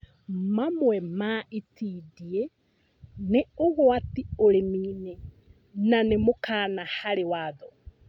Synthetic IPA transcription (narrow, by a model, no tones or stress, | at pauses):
mamwɛmaʔitiːdie | neoɣwatioɾemiːne | nanemokaːnahaɾewaːðɔ